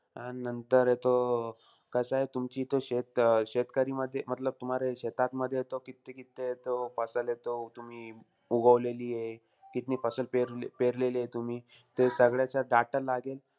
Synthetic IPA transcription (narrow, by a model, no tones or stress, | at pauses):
aninənt̪əɾet̪o | kəsaɦet̪umt͡ɕiːt̪oɕet̪ɕet̪kəɾiːməd̪ʱːjem̤ət̪ləb̚t̪um̤aɾeɕet̪at̪məd̪ʱːjet̪okit̪ːekit̪ːet̪ofəsəlet̪ot̪um̤iː | uɡəʋleliːje | kit̪niːfəsəlpeɾpeɾlelet̪um̤iː | t̪esəɡɭjat͡ɕaɖaʈəlaɡel